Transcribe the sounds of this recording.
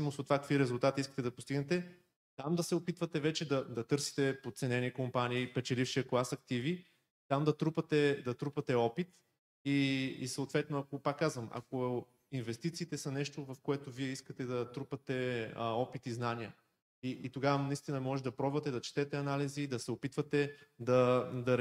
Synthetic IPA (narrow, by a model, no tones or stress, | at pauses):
simosot̪ːvakəkviɾɛzulˠt̪at̪iiskət̪ɛd̪ɐpost̪iɡnɛt̪ɛ | t̪amd̪ɐsɛopit̪vɐt̪ɛvɛt͡ʃɛd̪ɐd̪ɐt̪ɤɾsi̥t̪ɛpot̪t̪sɛnɛnikompaniːpɛt͡ʃɛlifʃiəkoasɐkt̪ivi | t̪amd̪ɐt̪ɾupɐt̪ɛd̪ɐt̪ɾupɐt̪ɛɔpit̪ | ḭːsɐːt̪vɛt̪noɐkopakːazvɐmʔɐ̰ko | invɛst̪it̪siːt̪ɛsɐnɛʃt̪ovɐfkoɛt̪oviɛiskət̪ɛd̪ɐt̪ɾupɐt̪ɛɔpit̪iznanijə | iʔːt̪oɡavənɐist̪inɐmɔʒɛd̪ɐpɾɔbvɐt̪ɛd̪ɐt͡ʃɛ̥t̪ɛt̪ɛɐnalizid̪ɐsɛopit̪vɐt̪ɛd̪ɐd̪ɐ